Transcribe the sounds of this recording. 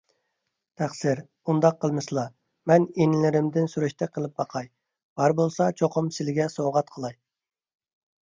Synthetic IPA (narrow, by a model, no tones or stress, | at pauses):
t̪ʰæχsɪɾ | und̪ɑqːəlˠmɨslˠɑ | mɛnenɪlɪɾɪmd̪ɪnsuɾyʃt̪ʰɛqʰəlˠɨp̚bɑqʰɑj | b̥ɑɾbolˠsɑt͡ʃʰoqʰʊmsɪlɪɡʲɛsoʁɑt̪qʰəlˠɑj